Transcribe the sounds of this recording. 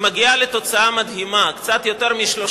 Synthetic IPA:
maɡiale̞t̪o̞t͡saamad̪ɦimakt͡sat̪jo̞t̪e̞ʁmiʃlo

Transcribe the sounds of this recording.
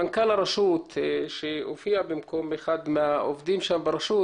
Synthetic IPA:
ankalaɾˤɑʃuːt̪ʃeofiabɪmkombɪxad̪maʔofd̪iːmʃambɪɾˤɑʃuː

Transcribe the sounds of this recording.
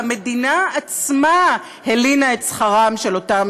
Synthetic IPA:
me̞dinaːt͡sma | helinaetsχaʁamʃelo̞tam

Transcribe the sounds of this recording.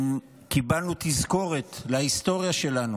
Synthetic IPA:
m | kibalnut̪izko̞ʁet̪laist̪o̞ʁjaʃe̞lanu

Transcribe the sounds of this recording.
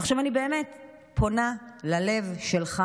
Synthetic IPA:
χʃavanibeːme̞t | pʰo̞nalale̞vʃelχa

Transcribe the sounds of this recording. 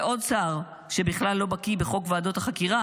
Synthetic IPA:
ʔo̞d̪saʁ | ʃebiχlalːo̞bakibeχo̞kvaːdo̞t̪aχakiʁa

